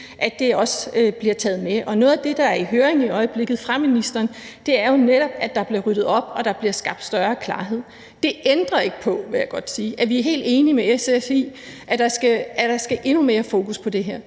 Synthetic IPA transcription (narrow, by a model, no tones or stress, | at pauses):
ʔæd̥e̝ɒ̽søb̥liɐt͡sʰɛ̰ːð̞̩ˠmeʔɒ̽noːð̩ˠæd̥e̝d̥ɑ̈æɐiɦøːɐeŋiɒ̽ɪəb̥le̝ɡ̥ð̩ˠfʁɑ̈minisd̥ɐːnd̥e̝æɐjo̝neɾ̥ɒ̽b̥̚æd̥ɑ̈b̥liɐʁyd̥ð̩ˠɒ̽b̥ɒ̽d̥ɑ̈b̥liɐsɡ̥ɑ̈b̥̚d̥sd̥ɶɐːkʰlɑ̈ːɦe̝ð̰ˠ | d̥e̝ʔend̥ʁɐe̝ɡ̥əpʰɒ̽ʋe̝jaɡ̥ɒ̽d̥siːʔæɐʋiæɐɦe̝̰ːld̥e̝ːnimeesesi | ʔæd̥ɑ̈sɡ̥ææd̥ɑ̈sɡ̥æʔe̝nume̝ːɐfo̝ːkʰuspʰɒ̽d̥e̝ɦeɐ̰